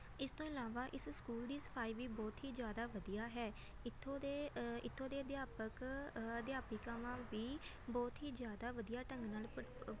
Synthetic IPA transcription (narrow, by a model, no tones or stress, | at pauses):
ɪst̪õːɪlaːʋaːʔɪsskuːld̪iːsə̥pʰaːiːʋiːbɔːt̪ɦiːzjaːd̪aːʋəd̪ijaːɦɛː | ɪt̪ʰːõːd̪eːɪt̪ʰːõːd̪eːd̪jaːpəkəd̪jaːpiːkaːʋãːʋiː | bɔːt̪ɦiːzjaːd̪aːʋəd̪ijaːʈə̃ŋɡnaːl